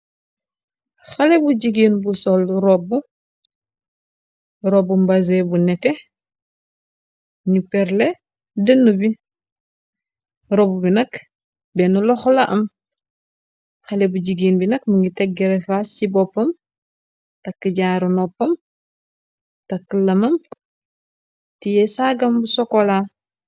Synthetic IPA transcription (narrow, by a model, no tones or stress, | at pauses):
xalebuɟiɡiːnbusolɾobu | ɾobumbɐzebunɛte | ɲupɛɾle | dɐnːubi | ɾobubinɐk | bɛnulɔxlaʔɐm | xɐlebuɟiɡiːnbinɐk̚muŋɡitɛɡːɛɾefasibɔpːɐm | tɐkːəɟaɾunɔpːɐm | tɐkəlːɐmɐm | tijɛsaɡɐmbusɔkɔla